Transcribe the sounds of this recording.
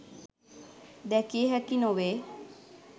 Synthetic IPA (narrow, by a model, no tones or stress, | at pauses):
d̪ɛkieɦɛkinoʋeː